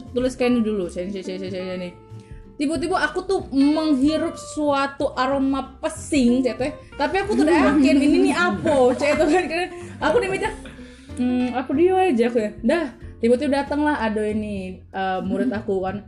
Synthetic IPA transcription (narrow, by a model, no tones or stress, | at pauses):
t̪ulɪskanidulut͡ʃanit͡ʃat͡ʃat͡ʃat͡ʃat͡ʃani | t̪ibut̪̬ibuakut̪ʊhməŋɦiɾʊp̚suat̪uʔaɾomapəsɪŋt͡ʃat̪oɛ | t̪apiakut̪udaaakɪnininiapot͡ʃat̪okankanakunimid͡ʒaŋ̩ | apodiaad͡ʒakujadaht̪ibut̪ibudat̪əŋlaɦadoiniəmuɾɪt̪akukan